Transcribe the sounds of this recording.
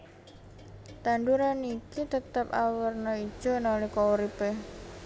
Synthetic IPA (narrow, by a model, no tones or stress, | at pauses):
t̪and̪uɾanikit̪ət̪əpawərnɔid̥ʒ̥o̤nolehkɔwɾipeh